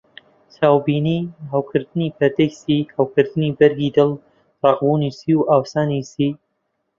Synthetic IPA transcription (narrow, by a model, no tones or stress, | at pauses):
saːwbiːniːɦawkʰɨɾd̪ɨniːpʰɛɾd̪ɛksiːhawkɨɾd̪ɨniːbɐɾɡiːd̪ɨl | rɑqbuːniːsiːwʔaːwsaːnisiː